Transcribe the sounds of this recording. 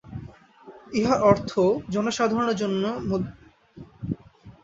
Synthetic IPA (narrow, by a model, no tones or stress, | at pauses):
iɦaɾɔɾt̪ʰod͡ʑɔnoʃad̪ʱaɾonod͡ʑonːomud̪